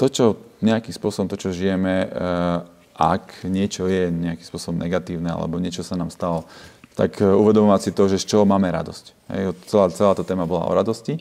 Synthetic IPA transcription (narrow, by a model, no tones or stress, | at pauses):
t̪ɔt͡ʃɔɲɛakiːmspʊɔsɔbɔmt̪ɔt͡ʃɔʒijɛmɛ | ʔa̰kɲɪɛt͡ʃɔjɛɲɛakimspʊɔsɔbɔmnɛɡat̪iːʊnɛa̰lɛ̰bɔɲɪɛt͡ʃɔsanaːmst̪alɔt̪a̰kuʋɛd̪ɔmɔʋasit̪ɔʒɛst͡ʃɔmaːmɛɾa̰d̪ɔsc | ɦɛ̰jɔt͡sɛlaːt͡sɛlaːt̪ɔt̪ɛːmabɔla̰ɔ̰ɾad̪ɔsci